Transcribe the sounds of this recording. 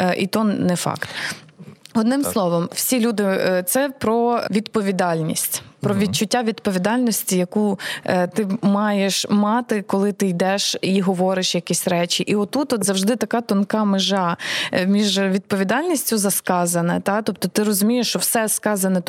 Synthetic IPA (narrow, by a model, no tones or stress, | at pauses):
ʔḭt̪ɔnnɛfɑ̰kt̪ | ɔd̪nɪmslˠɔʋɔmwsʲilʲud̪ɪt̪sɛpɾɔʋʲid̪pɔʋʲid̪ɑlʲnʲḭsʲtʲpɾɔʋʲid̪̚t͡ʃʊtʲːaʋʲid̪pɔʋʲid̪ɑlʲnɔsʲtʲijɐkut̪ɪmɑjeʃmɑt̪ɪkɔlˠɪt̪ɪjd̪ɛʃiɦɔʋɔɾɪʃjɐkʲisʲɾɛt͡ʃʲiʔiɔt̪ut̪ɔt̪zɐwʒd̪ɪt̪ɐkɑt̪ɔnkɑmɪʒɑmʲiʒʋʲid̪pɔʋʲid̪ɑlʲnʲisʲtʲʊzɐskɑzɐnɐ̰t̪ɑt̪ɔp̚t̪ɔt̪ɪɾɔzʊmʲijeʃt͡ʃɔwsɛskɑzɐnɛ